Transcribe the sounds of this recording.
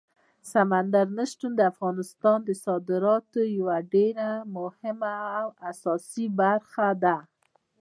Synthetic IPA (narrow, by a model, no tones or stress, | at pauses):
samand̪aɾnəʃʈ̪und̪əafɣɑnɪst̪ɑnd̪əsɑd̪ɪɾɑt̪ojawaɖeɾamʊhɪmaːwasɑsibaɾxad̪a